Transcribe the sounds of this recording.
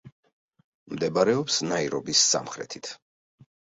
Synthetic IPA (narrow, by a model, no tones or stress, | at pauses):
md̪ɛbaɾɛɔpsnaiɾɔbisːa̰mχɾɛ̰t̪ʰit̪ʰ